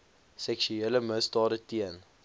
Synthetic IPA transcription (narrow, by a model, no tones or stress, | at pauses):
sɛkʃyeləməstɑːɾətiən